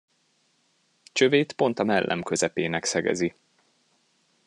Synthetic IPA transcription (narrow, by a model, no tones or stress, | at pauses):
t͡ʃøveːt̪po̞nt̪ɒmɛlːʔɛ̰mkø̞zɛpeːnɛksɛɡɛ̰zi